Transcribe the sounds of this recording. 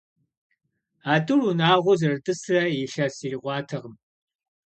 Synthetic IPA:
aːdʼɨrunaːʁʷʊzɐrɨdʼɨsrɐjɪʃɐsiːriʁʷɑːtʰɐʁəm

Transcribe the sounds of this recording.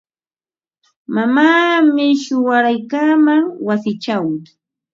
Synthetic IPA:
mamaːmɪʃʊwaɾajkaːmaŋwasɪt͡ʃaw

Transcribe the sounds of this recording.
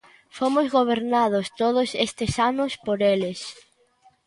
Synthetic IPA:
fomʊzɣoβ̞eɾnað̞ʊst̪oð̞ʊsest̪ɪsanʊspoɾelɪs

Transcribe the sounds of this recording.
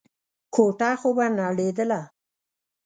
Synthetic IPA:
kʰoʈaxobanaɽed̪əla

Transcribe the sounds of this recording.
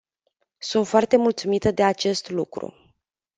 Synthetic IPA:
sunt̪foart̪e̞mult̪sumit̪əd̪e̞at͡ʃe̞st̪lukɾṵ

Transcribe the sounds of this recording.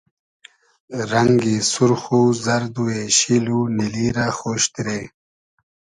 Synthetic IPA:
ɾaŋɡisuɾxuzaɾd̪ueɕiluniliːɾaxoːɕt̪ɾe

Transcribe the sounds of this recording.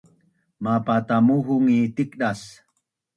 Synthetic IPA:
mapat̪amuɦuŋit̪ik̚ɗas

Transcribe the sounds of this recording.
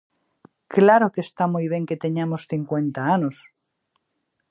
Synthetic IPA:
klaɾokest̪amujβje̞ŋket̪eɲamosθiŋkwe̞nt̪aanos

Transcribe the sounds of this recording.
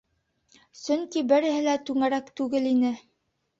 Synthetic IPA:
sɵŋkibɘ̆ɾɘ̆hɘ̆læt̪ʉŋæɾækt̪ʉɡɘlinɘ

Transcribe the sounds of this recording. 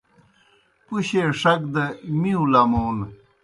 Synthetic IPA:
puɕeʂɐk̚d̪ɐmiũlamoːn

